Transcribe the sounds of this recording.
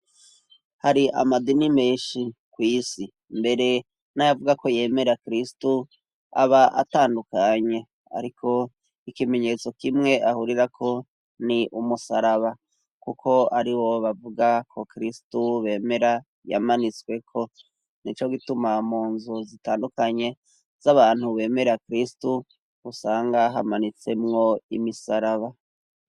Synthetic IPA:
haɾiʔa̰madinimeːʃikwiːsi | mbe̞ɾe̞ | najavuɡako̞je̞ːme̞ɾakɾistu | a̰βaʔa̰taːndukaɲe̞ | a̰ɾikʰo̞ | ikime̞ɲet͡so̞kimŋe̞ʔahuɾiɾakʰo̞ | niʔumusaɾaβa | kukʰo̞aɾiwo̞βavuɡakʰo̞kɾistuβe̞ːme̞ɾa | ja̰manit͡swe̞kʰo̞ | nit͡ʃoɡitumamuːnzuzitaːndukaɲe̞ | z̥aβaːn̥huβe̞ːme̞ɾakɾistu | usaːŋɡaɦamanit͡se̞mŋo̞imisaɾaβa

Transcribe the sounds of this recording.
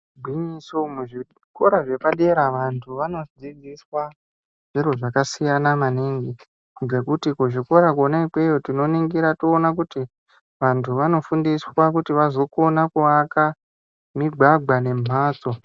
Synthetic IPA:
bʱwiɲisomuʐi | ko̞ɾaʐe̞paɗe̞ɾaʋantʰuʋano̞d͡zid͡ziswa | ʐ̥iroʐakasijanamaneŋɡi | ɡe̞kutikuʐiko̞ɾak̬o̞naipe̞jotino̞niŋɡiɾatoːnak̬uti | ʋantʰuʋano̞fundiswakutiʋazo̞ko̞nakuaka | miɡʱwaɡʱwane̞m̤ʱaːt͡so̞

